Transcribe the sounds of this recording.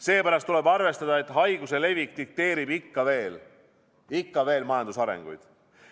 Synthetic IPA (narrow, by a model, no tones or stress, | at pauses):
se̞ːpæɾɑst̪ːule̞bɑrve̞st̪ɑd̪̥ɑe̞t̪ːˑɦɑjɡuse̞le̞vikˑt̪ik̚t̪e̞ːɾibikːɑve̞ːl | ikːɑve̞ːlmɑjɑnd̪usɑɾḛŋɡ̥ṵjd̪̥